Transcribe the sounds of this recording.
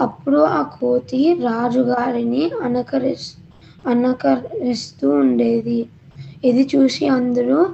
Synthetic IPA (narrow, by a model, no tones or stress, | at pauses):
ɐpːuɽuaːkʰoːt̪iɾaːd͡ʒuɡaːɾiniɐnɐkɐɾ | ɐnɐkɐɾist̪uːɳɖeːd̪i | id̪it͡ʃuːsiɐnd̪ɐɾuː